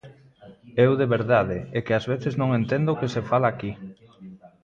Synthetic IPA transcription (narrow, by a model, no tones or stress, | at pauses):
ewðeβeɾðaðeekɪazβ̞eθeznõŋent̪end̪oʊkesefalaːki